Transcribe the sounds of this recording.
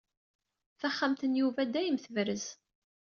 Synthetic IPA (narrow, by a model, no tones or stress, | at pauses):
θæχːamt̪ənjuvæd̪æjəmθəvɾəz